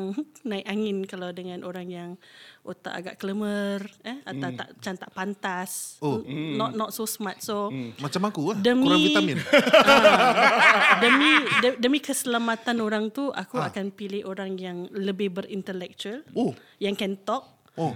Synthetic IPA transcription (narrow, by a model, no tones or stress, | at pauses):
ŋnãɪk̚aŋɪnkalawdəŋãnʔoɾaŋjaŋot̪a̰ʔa̰ɡa̰ʔkələmərəat̪awt̪a̰ʔt͡ʃamt̪aʔpant̪as | nɔnɔt̪̚sosəmat̪̚somat͡ʃamakudəmkuɾaiamin | dəmĩdədəmĩkəsəlamat̪anoɾaŋt̪uʔa̰kuakanpilɪhʔoɾaŋjaŋləbɪhbəɾint̪əlɛk̚t͡ʃuəlo | jaŋkɛnt̪ɔk̚ | o